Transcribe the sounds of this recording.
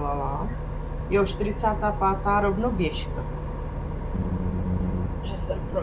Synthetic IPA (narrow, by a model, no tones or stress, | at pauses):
valaː | jɛoʃt̪ɪɾɪt͡saːt̪aːpaːt̪aːɾovnovjɛʃka | ʒɛsɛ